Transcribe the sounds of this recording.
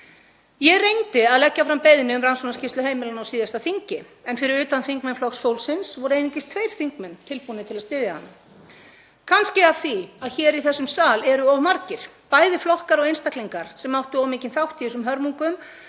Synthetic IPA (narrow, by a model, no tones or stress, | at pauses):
jɛɣrejnt̪ɪaðlɛcːafɾampejðnɪʏmransɔnascɪst̪lʏheːjmɪlanawsiːðast̪aθiɲcɪɛnfɪɾɪɾʏːt̪anθiŋkmɛnflɔksfowlsɪnsvɔɾeːjnɪŋcɪst̪ʰvejɾ̥θiŋk̚mɛnːt̪ʰɪlpunɪt̪ʰɪlaðst̪ɪːðjaha̰nːa | kʰanscɪav̥θiaðçɛːɾiθɛsːʏmsaːlɛɾʏɔvmaɾcɪɾ̥ | paːjðɪflɔhkaɾɔɣejnst̪akliŋkaɾ̥sɛmːawht̪ʏɔwmɪːcɪnθawht̪ʰiɪsʏmɦœɾmuŋkʏm